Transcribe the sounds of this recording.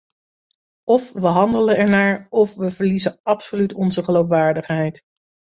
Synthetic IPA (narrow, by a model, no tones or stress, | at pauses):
ɔfʋəɦɑndələnɛɹnaːɹɔfʋəv̥əɹlizəɑpsolytɔnzəχəlowfʋaːɹdəχɦɛjt